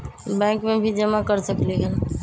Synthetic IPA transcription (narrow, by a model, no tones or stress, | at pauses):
bɛ̃kmebʱid͡ʒəmakəɾsəkliɡel